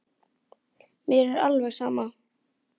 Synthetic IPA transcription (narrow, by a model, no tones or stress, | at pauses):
mjɛɾɛɾalvɛɣsaːma